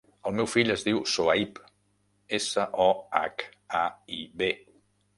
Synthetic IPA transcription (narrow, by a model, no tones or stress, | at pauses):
əlˠmewfiʎəzðiwsoaip | esəʔɔa̰kaiβe